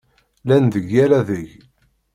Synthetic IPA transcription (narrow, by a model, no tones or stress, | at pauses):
lænðəʝæɾaðəʝ